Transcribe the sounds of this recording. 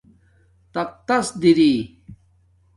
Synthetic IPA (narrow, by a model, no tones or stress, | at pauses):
t̪ɐq̚t̪ɐsd̪iɾi